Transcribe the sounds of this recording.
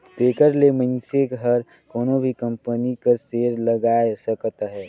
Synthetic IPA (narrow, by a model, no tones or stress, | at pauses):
t̪eːkəɾlemə̃ɪnsekɦəɾ | koːnobʱikəmpənikəɾseːɾləɡaːesəkət̪ɦɛː